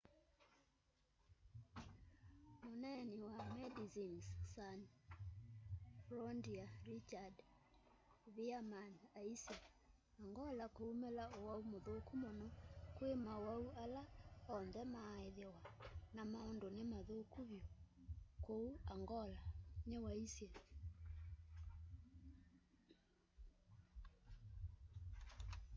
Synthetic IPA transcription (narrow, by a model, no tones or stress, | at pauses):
monɛniwamɛdizinssan | flɔndiaɾit͡ʃad | βiamanaisi | aŋɡɔlakoumelaowaumoðokumonɔkwemaowaualaɔnðɛmaeðewanamaondonemaðokuβjo | kouaŋɡɔlanewaisje